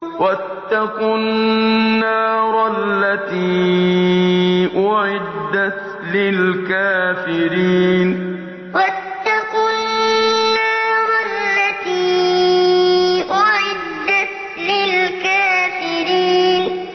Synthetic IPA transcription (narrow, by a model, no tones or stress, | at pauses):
wat̪ːaqʊnːaːɾˤalːat̪iː | ʔʊʕɪd̪ːat̪ | lɪlkaːfɪɾiːn | wat̪ːaqʊnnːaːɾˤɑllːat̪iː | ʔʊʕɪd̪ːat̪ | lɪlkaːfɪɾiːn